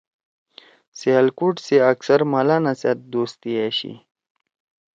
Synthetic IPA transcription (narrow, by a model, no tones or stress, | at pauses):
sealkuʈseaksaɾmalanasjat̪̚d̪ost̪iaɕḭ